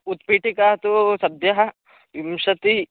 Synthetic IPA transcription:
ut̪piːʈikat̪usɐd̪jɐɦɐ | imʃɐt̪i

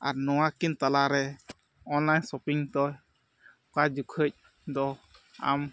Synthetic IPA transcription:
a̰ɾnɔwakint̪alaɾɛ | ɔnlajnsɔpiŋt̪ɔ | kad͡ʒukʰəc̚ | d̪ɔa̰m

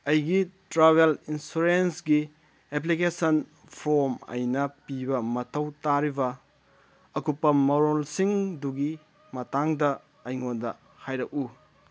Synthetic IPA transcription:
ɐjɡitɾabelinsuɾensɡi | ep̬likesɐn | pʰɾomɐ̰jnɐpibɐmɐtʰɐwtaɾibɐ | ɐkupːɐmɐɾolsiŋduɡi | mɐtaŋdɐ | ɐjŋondɐ̰ | hajɾɐk̚u

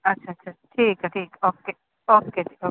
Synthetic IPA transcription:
ɐtːʃʰaɐtt͡ʃʰaʈʰiːkɦaʈʰiːkoːke | oːkeʈʰi̥ːko

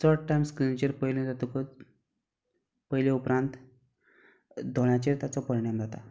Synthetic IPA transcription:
sʰəɾʈʈajmskɾint͡ɕeɾpəjled͡zat̪ukə | pəjleupɾãnt̪ | d̪ʱoɭ̃jat͡ɕeɾt̪jat͡sɔpəɾiɽ̃amd͡zʱat̪a

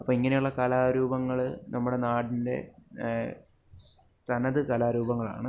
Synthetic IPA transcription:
ɐpːoːiŋːɐne̞juɭːɐkɐlaːɾuːbɐŋːɐɭnʔɐmːuɽe̞naːɽinde̞̰ | s | t̪ʰɐnɐðɨkɐlaːɾuːbɐŋːɐɭa̰ːɳɨ

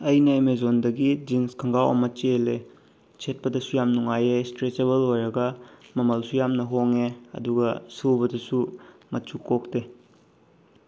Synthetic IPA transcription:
ɐjnɐemezondɐɡid͡ʒiŋskʰɐŋɡawɐ̰mɐt͡ʃele | sʰet̚pɐdɐsujamnuŋajestɾet͡ʃeβɐlojɾɐɡɐmɐmɐlsujamnɐɦoŋeɐ̰duɡɐsuwbɐdɐsumɐt͡ʃukok̚te

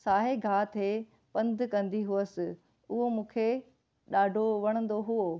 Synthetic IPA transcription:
saːɦeɡʱaːt̪ʰe | pɐ̃nd̪ʱkɐ̃nd̪iɦuəsɪ̆ | ʊɦomũːkʰe | ɗaːɖʱoʋɐɽ̃ə̃n̆d̪oɦuo

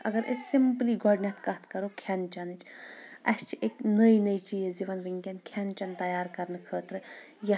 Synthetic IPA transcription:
ɐ̰ɡɐɾʔḛssimpliɡɔːɖnʲet̪kɐt̪ʰkɐɾokʰɛnt͡ʃɐnɨt͡ʃʰɐʃt͡ʃʰiʔeknəjnəit͡ʃijeziʋɐnbiŋkʲɛnkʰɛnt͡ʃɐnt̪ɐjaːɾkɐɾnɨkʰəːt̪ɾɨjɐ

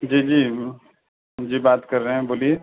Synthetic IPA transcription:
d͡ʒiːd͡ʒiː | d͡ʒiːbaːt̪kɐɾːəɦɛ̃boːlie

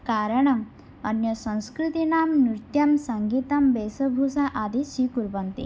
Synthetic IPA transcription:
kaɾəɳɐm | ɐnjəsə̃w̃skɾit̪inamnɾiɾt̪jɐmsaŋɡit̪ambesəbʱusaʔad̪isikuɾbənt̪ḭ

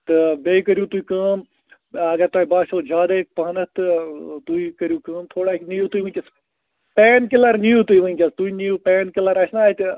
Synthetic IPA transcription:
t̪ɨbeːikəɾjut̪uikəːm | ɐɡɐɾt̪waːibaːʃoːd͡ʒaːd̪ek̚pɐnɐt̪ɨt̪uikɐɾjukəːmt̪ʰoːɽaknijut̪uiʋə̃nʲkʲɐs | peːnkilɐɾnijut̪uiʋɐnʲkʲɐst̪uinijupeːnkilɐɾɐsʰnaːit̪

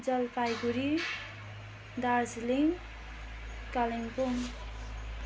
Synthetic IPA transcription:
d͡zʌlpajɡuɾi | d̪ad͡zliŋ | kaliŋpuŋ

